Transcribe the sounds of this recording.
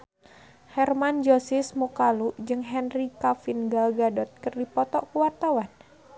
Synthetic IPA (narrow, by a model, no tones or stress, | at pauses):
hɛrmand͡ʒosɪsmukaluʔd͡ʒɨŋɦɛnrikafinɡaɡadɔt̪̚kərdipɔt̪ɔʔkuwart̪awan